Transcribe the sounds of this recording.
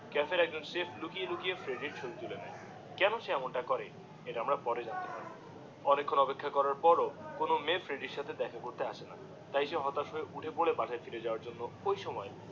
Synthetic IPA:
kɛfeɾɛɡ̚d͡ʑonsefʰlukielukijefɾeɖiɾt͡ɕʰolit̪ulenae | kɛnoʃeɛmonʈakɔɾe | eʈaamɾapɔɾed͡ʑant̪epaɾ | ɔnekʰːonɔpekʰːakɔɾaɾpɔɾokonomefɾeɖiɾʃat̪ʰed̪ɛkʰakoɾt̪eaʃʰena | t̪ajʃeɦɔt̪aʃoeʔuʈʰebolebaʃʰaefiɾed͡ʑaoaɾd͡ʑonːoojʃɔmɔe

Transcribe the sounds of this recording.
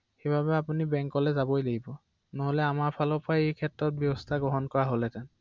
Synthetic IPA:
xebʱabɛapunibɛŋkɔlɛzabojleɡʱibɔ | noɦolɛamaɹpʰalɔpajejkʰɛtɹɔt̚bjɔbɔstʰaɡɔɦɔnkɔɹaɦolɛtɛn

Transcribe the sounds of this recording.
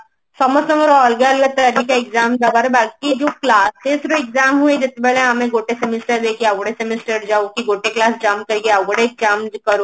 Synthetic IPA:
sɔmɔsɐŋəɾɔːlɡalɡat̪ɐɾikaɪkzaːmd͡ʒabaːɾebaːɡk̪id͡ʒoːklaːst̪esɾoɪɡzaːmɦued͡ʒɐt̪ːebɛɭẽɦamẽɡoːʈesemisʈəɾd̪eːkʰiaɡoɽesemisʈəɾd͡ʒaːokiɡoːʈeklaːsd͡ʒaːmkɐɾiɡeaɡoɽeɪkzaːmkɐɾoː

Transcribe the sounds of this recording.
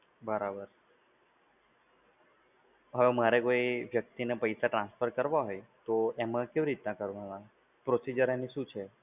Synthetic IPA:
bəɾabəɾ | ɦəʋemaɾekoiʋjək̚t̪inepəjsaʈɾãnsfʰəɾkəɾʋaɦojt̪oemãkeʋiɾit̪nakəɾʋanã | pɾosid͡ʒəɾeniʃũt͡ʃʰe

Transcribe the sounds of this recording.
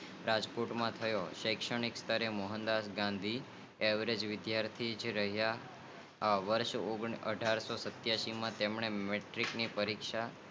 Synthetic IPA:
ɾad͡ʒpoɾʈmãt̪ʰəjoʃəjkʃəɳ̃ikst̪ʰəɾemoɦənd̪asɡãnd̪ʱi | eʋɾed͡ʒʋɪd̪jaɾt̪ʰid͡ʒɾəɦjaː | ʋəɾʃoɡə̰ɖʱaɾsosət̪jaʃimãt̪emɳ̃emeʈɾiknipəɾikʃa

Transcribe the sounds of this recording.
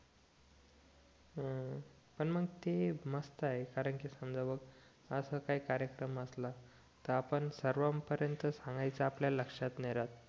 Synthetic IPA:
pəɳməɡt̪eməst̪aɦekaɾəɳkiːsəmd͡zaʋəɡ | əsəkaikaɾjəkɾəməsla | t̪əɾapəɳsəɾʋampəɾjənt̪əsãŋɡajt͡saːpljaləkʂat̪neɾat̪̚

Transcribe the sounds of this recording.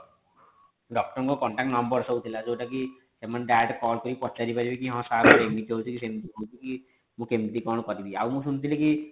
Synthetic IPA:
ɖɔk̚ʈɔɾɔŋkɔkɔɳʈak̚ʈnɔmbɔɾsɔwt̪ʰilad͡ʒowʈaki | sɛmːanɖaʈkɔlkɔɾipɔt͡ʃaɾipaɾibekiɦɔ̃saɾɔɾeɡmit̪iɦot͡ʃʰikisemt̪iɦowt͡ʃʰiki | mũkemt̪ikɔɽ̃kɔɾib̪ia̰wmũsunt̪ʰileki

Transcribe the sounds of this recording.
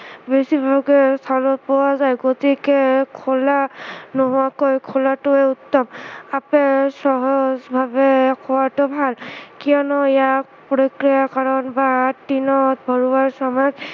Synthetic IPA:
besibʱɔɡɛstʰalɔpɔwazajɡotikɛkʰɔlanɔɦʊakojkʰɔlatʊɛutːɔmapɛsɔɦɔzbʱabɛkʰɔwatʊbʱalkijɔnɔɛjak | pɔɹɔkɹijakaɹɔnbatːinɔt̚bʱɔɹuwaɹsɔmɔjɔz

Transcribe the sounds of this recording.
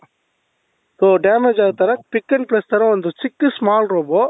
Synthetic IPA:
soːɖeːmed͡ʒaːɯt̪ɐɾɐpɪkːɐnpɾɛst̪ɐɾɐ̃ʋɐnd̪ɯsɪkːɯsmaːlɾoːboː

